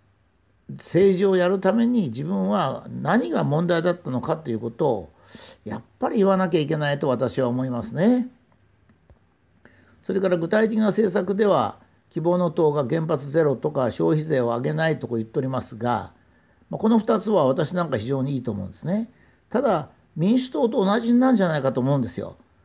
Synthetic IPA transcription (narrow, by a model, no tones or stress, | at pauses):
se̞ːʑiojaɾɯ̟t̪ame̞ɲ̟id͡ʑibɯ̟̃ɰ̃βanaɲ̟iɡamõ̞nd̪aid̪at̪ːano̞kat̪ːe̞iɯ̟ːko̞t̪o̞ː | ja̰pːaɾʲiiβanak̬ʲaik̬ʲe̞nait̪o̞β̞at̪aɕiβaomo̞imasɨne̞ | so̞ɾe̞kaɾaɡɯ̟t̪ait̪e̞kʲinase̞ːsakɯ̟d̪e̞βa̰ | kʲibo̞ːno̞t̪o̞ːɡaɡẽ̞mpat͡sɨze̞ɾo̞t̪o̞kaɕo̞ːçize̞ːo̞aɡe̞nait̪o̞kojɯ̟t̪ːeoɾʲimasɨɡa̰ | mako̞no̞ɸɯ̟̥t̪at͡sɨβaβat̪aɕinãŋkaçiʑo̞ːɲ̟iiːt̪oːmõ̞̰nd̪e̞sɨne̞ | t̪ad̪a | mʲĩɰ̃ɕɨ̥t̪o̞ːt̪oːnaʑĩnːãɲ̟d͡ʑanaikat̪o̞ːmo̞ɯ̃nd̪e̞sɨjo̞̰